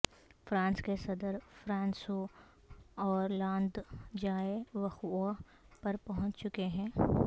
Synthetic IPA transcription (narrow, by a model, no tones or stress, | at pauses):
fɾãːnskesɐd̪əɾfɾãːnso | ɔːɾlãːnd̪d͡ʒaːeʋɐxo | pɐɾpɐɦʊ̃ɲt͡ʃt͡ʃʊkeɦɛ̃ː